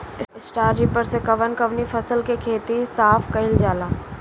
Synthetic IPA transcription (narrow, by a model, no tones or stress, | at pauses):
ɪsʈaːɾd͡ʒiːpəɾsekɐʋənkɐʋnifʰɐsəlkekʰeːt̪isaːfkɐɪld͡ʒaːlaː